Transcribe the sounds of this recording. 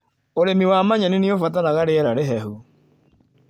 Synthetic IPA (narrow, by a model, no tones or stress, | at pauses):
oɾemiwamaɲanineofataɾaɣaɾeɛɾaɾeɦɛɦu